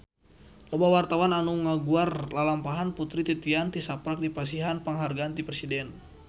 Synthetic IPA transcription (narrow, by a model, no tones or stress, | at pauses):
lɔbawart̪awananuŋaɡuarlalampaɦanput̪ɾit̪it̪iant̪isapɾak̚dipas̬iɦanpaŋɦarɡaːnt̪ipɾɛsidɛn